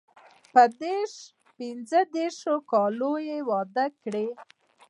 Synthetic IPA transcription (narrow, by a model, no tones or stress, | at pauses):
pəd̪eɾʃ | pinzəd̪eɾʃokɑlojewɑd̪əkɽe